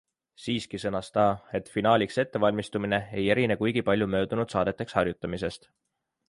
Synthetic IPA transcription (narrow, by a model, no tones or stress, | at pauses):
siːskisɤnɑst̪ɑːe̞t̪ːˑfinɑːlʲikse̞t̪ːe̞vɑlʲmist̪umine̞e̞jeɾinekujɡ̥ipɑlʲjumø̞ːd̪̥unud̪̥sɑːd̪e̞t̪ːˑe̞kshɑrjut̪ˑːɑmise̞st̪